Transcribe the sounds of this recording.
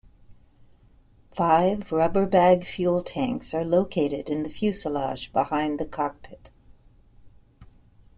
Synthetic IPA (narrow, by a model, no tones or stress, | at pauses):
faɪvɹʌbə˞bæɡfjʉlˠtʰæ̃ŋksə˞loʊkʰeɪɾɪɾɨ̃nðɨfjʉsəlɑ̰ʒbəhãɪ̃nðɨkʰɑk̚pʰɪt